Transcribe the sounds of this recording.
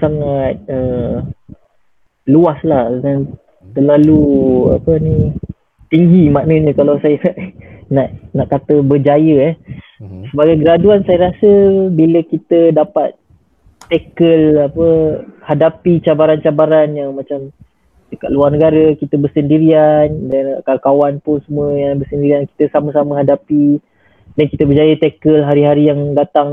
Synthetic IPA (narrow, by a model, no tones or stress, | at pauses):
saŋat̪̚ə | luaslahdan | t̪ərlalua̰pəni | t̪iŋɡimanəɲə̃kalawsajənaʔnaʔnaʔkat̪əbərd͡ʒajəɛ | səbaɡajɡəɾaduansajəɾasəbiləkit̪ədapat̪̚ː | ekəlapəhadapit͡ʃabaɾant͡ʃabaɾanjaŋmat͡ʃam | dəka̰ʔ̪luarnəɡaɾəkit̪əbərsəndiɾiandankarkawanpʊnsəmuəjaŋbərsəndiɾianki̥t̪əsaməsaməɦadapi | dankit̪əbərd͡ʒajət̪ɛkəlɦaɾiɦaɾijaŋdat̪aŋ